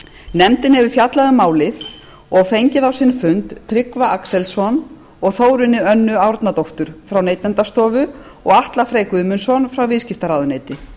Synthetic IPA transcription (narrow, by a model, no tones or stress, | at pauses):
nɛmt̪ɪnhɛvʏfjat̪laðʏmaːwlɪθ | ɔɣfejɲcɪðawsɪnfʏnt̪t̪ʰːɾɪkvaʔaksɛlsɔn | ɔɣθoːwɾʏnːɪœnːʏaːwɾt̪nat̪owht̪ʏɾ̥fɾawnejt̪lɛnt̪ast̪ɔːvʏ | ɔɣaht̪lafɾeːjkʏʏmʏnsɔnfɾawvɪðscɪft̪aɾaːwðʏneːjt̪ɪ